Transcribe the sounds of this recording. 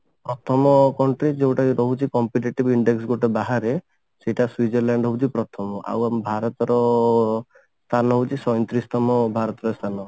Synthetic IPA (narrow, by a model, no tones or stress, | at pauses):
pɾɔt̪ʰɔmɔkɔɳʈɾid͡ʒewʈajɾɔɦut͡ʃʰikɔmpiʈeʈibiɳɖeks̬ɡoʈebaɦaɾe | seʈaswid͡ʒɔɾlaɳɖɦɔut͡ʃʰipɾɔt̪ʰɔmɔʔa̰wambʱaɾɔt̪ɔɾɔ | st̪ʰanɔɦowt͡ʃʰisɔjnt̪ɾist̪ɔmɔbʱaɾɔt̪ɔɾɔst̪ʰanɔ